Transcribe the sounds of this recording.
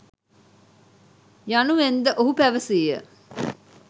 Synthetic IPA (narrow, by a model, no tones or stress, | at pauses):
januʋend̪əʔoɦupæʋəsiːjə̰